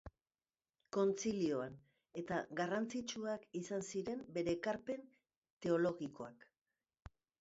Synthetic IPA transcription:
ko̞nt͡silio̞an | e̞t̪aɣarant͡sit͡ʃuakisansiɾe̞mbe̞ɾe̞ːkaɾpe̞n | t̪e̞o̞lo̞ɣiko̞ak

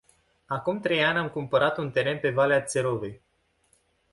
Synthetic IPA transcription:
akumt̪ɾe̞janʲamkumpəɾat̪unt̪e̞ɾe̞npe̞valeat̪se̞ɾovej

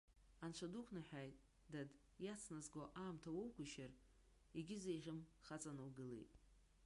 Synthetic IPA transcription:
ant͡ʃʷʰadukʷʰnɨħᶣajtʼ | dad | jat͡sʰnazɡʷoʔaːmtʰawowkʷʊʃar | iɡʲɪzejʁʲɪmχat͡sʼanɨwɡɨlḛjtʼ

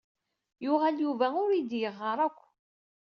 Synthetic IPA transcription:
jʊʁæljuvæʊɾid̪jəʁːəɾˤækʷː

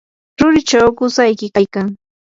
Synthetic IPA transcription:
ɾʊɾɪt͡ʃawkʊsajkɪkajkaŋ

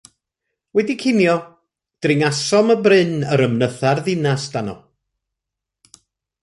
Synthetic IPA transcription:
wɛdikʰɪnjɔ | d̥rɪŋasɔməbrɪnəɾəmnəθarðɪnasd̥anɔ̰

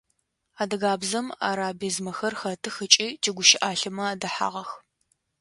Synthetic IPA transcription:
aːdɐɣaːbzɐma̰ːɾaːbizmɐxɐrxɐtʰɨxɨt͡ʃʼiːtʰiːɡʷʊʃɪʔaːɬɨmɐaːdɐħa̰ːʁɐx

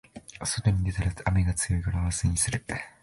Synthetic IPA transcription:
so̞t̪o̞ɲ̟id̪et̪aɾaameɡat͡sɨjo̞ikaɾaβasɨɲ̟isɨɾɯ

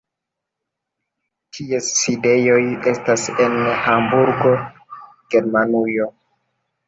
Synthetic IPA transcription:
tʰiesːide̞jo̞je̞stase̞nhambuɾɡo̞ | ɡ̥e̞ɾmanujo̞

